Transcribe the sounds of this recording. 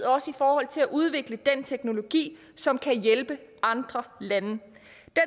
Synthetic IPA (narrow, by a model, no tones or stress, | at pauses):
ð̩̰ˠɒ̽səifɒːhɒ̽l̰t͡sʰe̝læʔuð̞ˠʋe̝ɡ̥ləd̥ent͡sʰeɡ̥no̝lo̝ɡ̥ḭː | sɒ̽mkʰæjelb̥əɑ̈nd̥ʁɐlænə | d̥e